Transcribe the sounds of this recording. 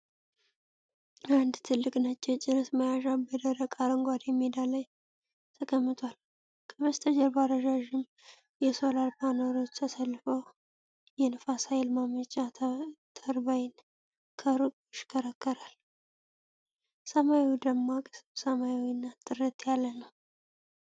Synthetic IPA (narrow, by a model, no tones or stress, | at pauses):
and̪t̪ʰɨlːɨkʼnat͡ʃʼːɛwt͡ʃʼɪɾəsməjaʃabəd̪əɾəkʼaɾəŋɡʷad̪jɛmːid̪aləj | t̪ʰəkʰəmːɨt̪ʰwal | kʰəβəst̪ʰəd͡ʒəɾbaɾəʒaʒɪm | jɛso̞lalpʰanoɾo̞t͡ʃːt̪ʰəsəlːɨfəw | jɛnəfasajɪlmamət͡ʃʼat̪ʰəɾbajn | kʰəɾɨkʼuʃɪ̥kʰəɾəkːəɾal | səmajiwd̪əmːakʼɨsɨbsəmajawinːat̪ʼɨɾət̪ʰʼjalːənəw